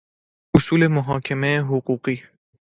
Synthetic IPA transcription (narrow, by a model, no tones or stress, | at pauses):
ʔosuːle̞moɦɒːkʰemeːɦoɢuːɢiː